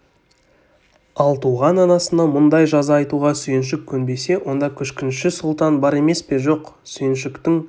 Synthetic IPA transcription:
ɑlˠt̪ʰuʁɑnɑnɑsənɑmʊnd̪ɑjʒɑzɑːjt̪uʁɑsʏjɪnʃ̬ɪkʲʰːɵnbe̞jse̞wʔo̞nd̪ɑkʲʰʏʃkʲɪnʃɪsʊlˠt̪ɑnbɑɾe̞me̞spe̞ʒo̞q | sʏjɪnʃɪkt̪ɪŋ

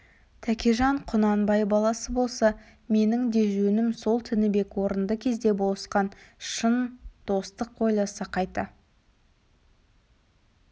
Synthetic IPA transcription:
t̪ʰækʲeʒɑɴqʰʊnɑnbɑjbɑlˠɑsəbo̞lˠsɑ | me̞nɪŋd̪e̞ʒɵnɪmso̞lˠt̪ʰɪnɪbe̞kwo̞ɾənd̪əkʲʰe̞zd̪e̞bo̞lˠəsqɑnʃənd̪̥o̞st̪əq̚ːʰo̞jlˠɑsɑqʰɑjt̪ːə

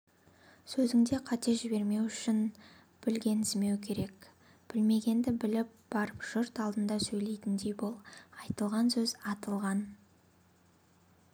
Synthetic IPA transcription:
sɵzɪŋd̪e̞qʰɑt̪e̞ʒɪbe̞ɾme̞wʏʃɪn | b̥ɪlɡʲe̞nɪzme̞wkʲʰe̞ɾe̞k | b̥ɪlme̞ɡʲe̞nd̪ɪbɪlɪp̚b̥ɑɾəpʒ̥ʊɾt̪ɑlˠd̪ənd̪ɑsɵjle̞jt̪ɪnd̪e̞jbolˠɑjt̪əlˠʁɑnsɵzɑt̪əlˠʁɑn

